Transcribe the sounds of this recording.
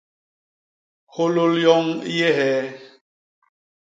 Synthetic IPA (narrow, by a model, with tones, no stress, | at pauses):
ho˦lo˦ljɔ˦ŋ˦je˦hɛ˨˦